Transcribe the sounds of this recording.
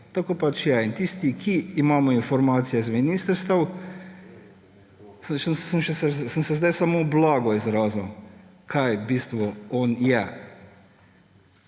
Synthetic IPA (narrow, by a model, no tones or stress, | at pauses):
t̪akoːpat͡ʃjaint̪ist̪ikʰiːmaːmɔinfɔɾmaːt̪sijɛzminist̪əɾst̪ɐw | səʃəmʃɛsɛsənsɛzd̪ajsamoblɔɡɔizɾaːziw | kʰajbist̪ʋɔɔnjɛ